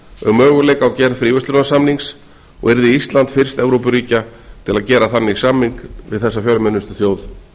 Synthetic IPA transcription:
ʏmœːɣʏlejkawcɛɾðfɾiːvʏst̪ʏnasamniŋks | ɔ̰ɣɛɾðɪist̪lant̪fɪr̥st̪ɛvɾowpʏɾiːcat̪ʰɪlaðcɛːɾaθanːɪɣsamːiŋkvɪ̰ðθɛsːafjalmɛnːʏst̪ʏθjoːwð

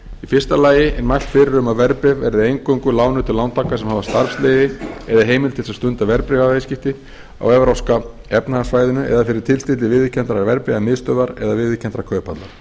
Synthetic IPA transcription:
ifɪr̥st̪alaːjɪʔɛnmajl̥t̪fɪɾɪɾʏmavɛɾpɾɪvːɛɾðɪejŋkœŋkʏlaːwnʏt̪ʰɪlawnt̪ʰaːkasɛmhaːvast̪aɾfsleːðɪɛðaɦeːjmɪlt̪ʰɪlsast̪ʏnt̪avɛɾpɾɪvaejscɪft̪ɪ | a̰wɛvɾawska | ɛpnaasvaːjðʏnʏʔɛ̰ðafɪɾɪɾ̥t̪ʰɪlst̪ɪt̪ɪvɪːðɪcʰɛnt̪ɾaɾvɛɾpɾɪvamɪðst̪œːðaɾɛ̰ðavɪːðɪcʰɛnt̪ɾakʰœːɥpant̪laɾ̥

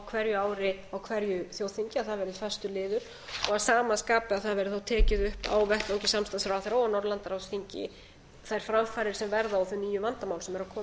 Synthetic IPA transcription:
wkʰvɛɾjʏaːwɾɪawkʰvɛɾjʏθjoːwð̥θiɲcɪaðθaðvɛɾɪðɪfɛ̥st̪ʏlɪːðʏɾ̥ | ɔɣasaːmaskaːpʏaðθaðvɛɾɪθawt̪ʰɛːcɪðʏhpa̰wvɛht̪oɲcɪsamst̪ansɾawθajɾoːwanɔɾlant̪aɾawsθiɲcɪ̰ | θajɾ̥fɾamfaːɾɪɾ̥sɛmvɛɾðaawθʏnːiːjʏvant̪amawlsɛmɛɾaðkʰɔː

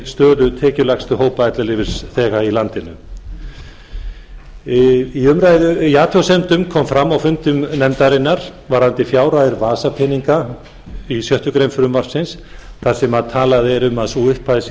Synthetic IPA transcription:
st̪œːlʏt̪ʰɛːcʏlaxst̪ʏɦoːwpaɛjt̪lalɪːvɪɾ̥sθɛːɣailant̪ɪnʏ̰ | iʏmɾajðʏaːt̪ʰɔwsɛnt̪ʏmkʰɔːmfɾamːawfʏm̥t̪ʏmnɛmt̪aɾɪnːaɾ̥vaɾ̥ant̪ɪfjaːwɾajðɪɾvaːsapʰɪniŋka | isjœht̪ʏkɾejmfʏɾʏmvar̥sɪns | θaɾ̥sɛmaðt̪ʰaːlaðɛɾʏmaðsuːɪhpʰːas

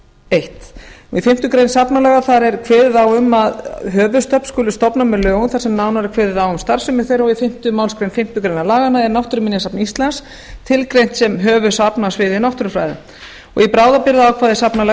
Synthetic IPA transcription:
ejht̪ɔɣifɪm̥t̪ʏkɾejnsapnalɛːɣaθaɾɛɾ̥kʰvɛːðɪðawʏmaðɦœːvʏst̪œhpn̥skʏːlʏst̪ɔpnamɛðlœːɣʏnθaɾsɛmnawnaɾɪkʰvɛːðɪðawʏmst̪aɾ̥sʏmɪ̥θejɾɔɣifɪm̥t̪ʏmawlskɾejnfɪm̥t̪ʏkɾejnalaːɣanːaɛɾnawht̪ʏɾʏmɪnjasapnist̪lans | t̪ʰɪlkɾejn̥t̪sɛmɦœːvʏsapnasvɪːðɪnawht̪ʏɾʏfɾa̰jðʏ̰ | ɔ̰ɣipɾaːwðapɪɾðaawkʰvaːðɛɾ̥sapnalɛ

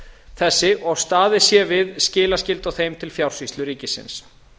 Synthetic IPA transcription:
θɛsːɪʔɔɣst̪aːðɪ̥sjɛvɪðscɪːlascɪlt̪ɔɣθejmt̪ʰɪlfjawr̥svist̪lʏɾiːcɪsɪ̰ns

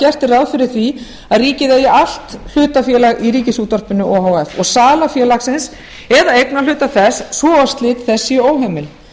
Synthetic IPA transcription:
ɛr̥t̪ɪrawðfɪɾɪ̥θvi | aðriːcɪðejɪal̥t̪l̥ʏːt̪afjɛːlaɣiɾiːcɪsuːt̪ɔr̥pʏnʏʔɔɦawɛfɔ̰ɣsaːlafjɛːlaxsɪns | ɛðaejknal̥ʏːt̪aθɛsːvɔːast̪lɪt̪θɛsːɪoːwɦemɪl

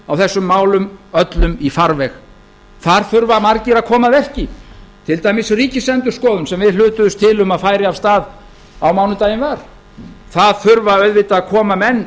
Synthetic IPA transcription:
awθɛsːʏmːaːwlʏmœt̪lʏmifaɾvɛx | θaɾ̥θʏɾvamaɾcɪɾaðkʰɔːmaðɛr̥cɪt̪ʰɪlt̪aːjmɪsriːcɪsɛnt̪ʏɾ̥skɔːðʏnsɛmvɪðlʏːt̪ʏðʏst̪ʰɪlʏmaðfaːjɾɪavst̪aːð | awmaːwnʏt̪aːjɪnvaɾ̥ | θaðθʏɾvaœɥðvɪt̪aːðkʰɔːmamɛnː

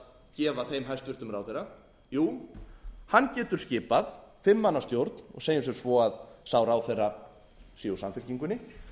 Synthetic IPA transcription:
cɛːvaθejmɦajst̪vɪrt̪ʏmɾaːwθejrːa | juː | hanːcɛːt̪ʏɾ̥scɪːpaðfɪmːanːaɾ̥st̪jowɾt̪nɔ̰ɣseːjnʏs̬ʏɾsvɔaðsaːwɾaːwθejrːa | siusanfɪl̥ciŋkʏnɪ

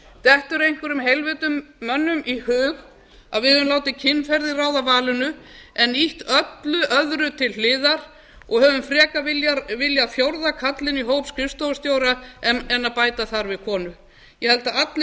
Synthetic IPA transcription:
t̪ɛht̪ʏɾejŋkvʏɾʏmhejlvɪt̪ʏmːœnːʏmihʏːɣ | a̰ðvɪðœðʏmlaːwt̪ɪcʰɪnːfɛɾðɪraːwðavaːlʏnʏ | ɛniht̪œt̪lʏʔœðɾʏt̪ʰɪllɪːðaɾ̥ | ɔɣhœːvʏmfɾɛːkavɪljaɾvɪljaθjowɾðakʰat̪lɪniɦowpskɾɪst̪owst̪joːwɾaɛnɛnːapaːjt̪aθaɾvɪðkʰɔːnʏ | jɛhɛlt̪aat̪l

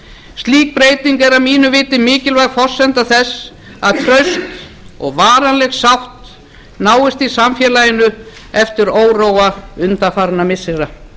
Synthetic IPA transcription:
st̪liːk̚pɾeːjt̪iŋkɛɾamiːnʏvɪːt̪ɪmɪːcɪlvaɣfɔr̥sɛnt̪aθɛsː | aðt̪ʰɾœɥst̪ | ɔɣvaːɾanlɛɣsawht̪ | naːwɪst̪isamfjɛːlajɪnʏ | ɛft̪ɪɾoːwroːwaʏnt̪afaɾnamɪsːɪɾa

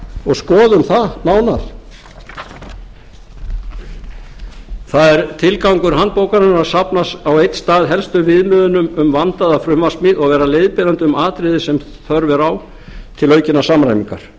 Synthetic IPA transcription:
ɔɣskɔːðʏmθanaːwnaɾ̥ | θaðɛɾt̪ʰɪlkawŋkʏɾ̥ɦant̪̚poːwkanʏnɾḁsapnasawejt̪st̪aːðɦɛlst̪ʏvɪðmʏːðʏnʏmʏmvant̪aðafɾʏmvasmiːðɔɣvɛːɾalejðpɪɾant̪ʏʏmaːt̪ɾɪðɪsɛm | θœɾvɛɾaw | t̪ʰɪlœːɥcɪnasamɾajmiŋka̰ɾ̥

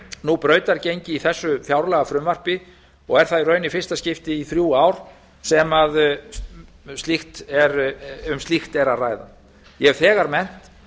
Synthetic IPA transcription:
nupɾœːɥt̪aɾcejɲcɪiθɛsːʏfjawɾlɛɣafɾʏmvar̥pɪ | ɔɣɛɾ̥θaðirœːɥnɪfɪr̥st̪ascɪft̪ɪiθɾjuːaːwɾ̥ | sɛmað | st̪lixt̪ɛɾʏmst̪lixt̪ɛɾaðraːjða̰ | jɛɛvθɛːɣaɾmɛn̥t̪

